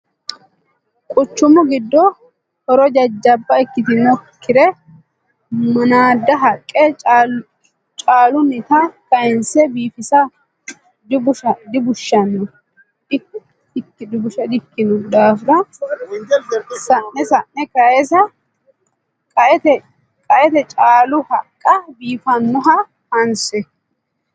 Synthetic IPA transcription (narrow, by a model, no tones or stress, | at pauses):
kʼʊt͡ʃːʊmʊɡɪd̪ːɔ | hɔɾɔd͡ʒɐd͡ʒːɐbːɐɪkːɪt̪ɪnɔkʰːɪɾɛ | mɐnaːd̪ːɐɦɐkʼːɛ | t͡ʃʼaːlʊnɪt̪ɐkɐjɛnsɛbiːfɪsɐ | d̪ɪbʊʃɐd̪ɪbʊʃːɐnːɔ | ɪ | ɪkːɪd̪ɪbʊʃɐd̪ɪkːɪnʊd̪aːfɪɾɐ | sɐnːɛsɐnːɛkɐɛsɐ | kʼɐʔɛt̪ɛ | kʼɐʔɛt̪ɛt͡ʃʼaːlʊhɐkʼːɐbiːfɐnːɔɦɐ | hɐnsɛ